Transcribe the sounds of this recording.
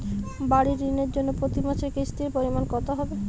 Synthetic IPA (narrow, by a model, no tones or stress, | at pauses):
baɽiɾineɾd͡ʑonːopɾot̪imat͡ɕʰekɾisʈiɾpoɾimankɔt̪ʰaɦɔbe